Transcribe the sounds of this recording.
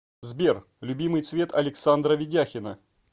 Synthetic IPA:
zbʲer | lʲʊbʲimɨjt̪svʲe̞t̪ɐlʲɪksand̪ɾəvʲɪdʲaxʲɪnə

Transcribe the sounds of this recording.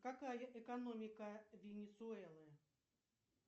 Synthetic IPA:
kakajɐʔɛkɐnomʲɪkɐvʲɪnʲɪsʊɛlˠɨ

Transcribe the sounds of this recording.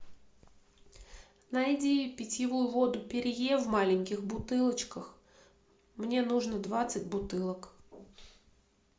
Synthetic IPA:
najɪdʲipʲɪtʲɪvujʊvod̪ʊpʲɪɾʲɪjevmalʲɪnʲkʲɪxbʊt̪ɨlˠət͡ɕkəx | mnʲe̞nuʐnəd̪vat̪sɨtʲbʊt̪ɨlˠək

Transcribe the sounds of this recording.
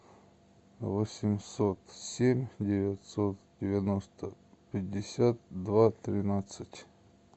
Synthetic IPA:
vosʲɪmʲsot̪sʲemʲdʲɪvʲɪtʲsot̪dʲɪvʲɪnost̪əpʲɪdʲːɪsʲat̪̚d̪vat̪ɾʲɪnat̪sɨtʲ

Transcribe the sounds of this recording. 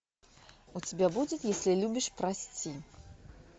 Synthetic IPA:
ut͡sʲibʲɛbud͡zʲɪt̪jasʲlʲilʲubʲiʂpɾasʲt͡sʲi

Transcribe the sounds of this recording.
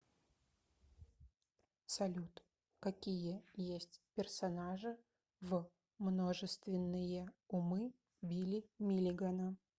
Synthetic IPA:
sɐlʲut̪ | kɐkʲijəjesʲtʲpʲɪrsɐnaʐɨ | v | mnoʐɨst̪vʲɪnːɨjəʊmɨ | bʲilʲɪmʲilʲɪɡɐnə

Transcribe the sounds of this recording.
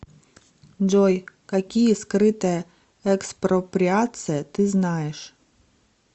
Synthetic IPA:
d͡ʒɔjkakʲijɛskɾɪt̪ɛ | ɛkspɾɔpɾʲiat̪sɨjɛt̪ɪznɑjɛʃ

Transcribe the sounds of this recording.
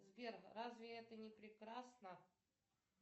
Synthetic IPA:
zbʲerxrazvʲɪɛt̪ənʲɪpɾʲɪkɾasnə

